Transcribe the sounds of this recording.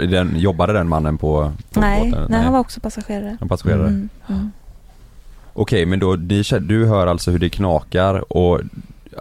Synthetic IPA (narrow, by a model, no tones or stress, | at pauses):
d̪ɛnjɔbːad̪əd̪ɛnmanːənpʰɔɔə̰nɛhanvaɾɔksɔpʰasaɧeːɾaɾəapasaɧeːɾaɾə | ʔɔkʰɛjmɛnd̪ɔnɪɕɛd̪ɵɦœːɾalt̪sɔhɵɖɛkʰnɑːkaɾɔ